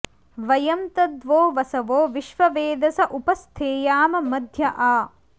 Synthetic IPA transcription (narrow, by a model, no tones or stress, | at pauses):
ʋɐjɐmt̪ɐd̪ʋoːʋɐsɐʋoːʋiʃʋɐʋeːd̪ɐsɐʔupɐst̪ʰeːjaːmɐmɐd̪ʱjɐʔaː